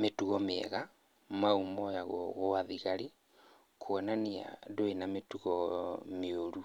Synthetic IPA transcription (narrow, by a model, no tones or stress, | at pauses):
metuɣɔmeɛ̰ɣa | maumɔjaɣɔɣoaðiɣaɾi | kʰwɔnania̰doenametuɣɔmeoɾu